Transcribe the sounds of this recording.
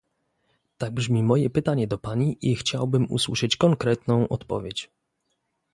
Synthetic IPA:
t̪aɡ̚bʐmʲimɔjɛpɘt̪aɲɛd̪ɔpaɲiʔixt͡ɕawbɘmṵswuʂɘt͡ɕkɔŋkɾɛt̪nɔ̃w̃ʔɔt̪pɔ̰vʲjet͡ɕ

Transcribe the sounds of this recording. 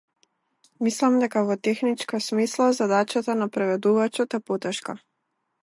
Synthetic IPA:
mislˠamd̪ɛkavɔt̪ɛxnit͡ʃkasmislˠazad̪at͡ʃat̪anapɾɛvɛd̪uvat͡ʃɔt̪ɛpot̪ɛʃka

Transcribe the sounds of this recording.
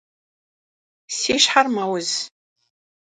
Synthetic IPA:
siːʃħarmawʊz

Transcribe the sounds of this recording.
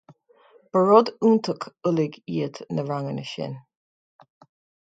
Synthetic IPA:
b̥əɹɔd̪uːnt̪ʰəkʰʊlɪɡiət̪nəɹaŋənəʃɪ̰n

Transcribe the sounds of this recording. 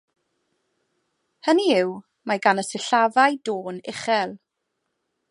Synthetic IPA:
həniɪw | maɡanəsɪɬavajdoːnɪχɛlˠ

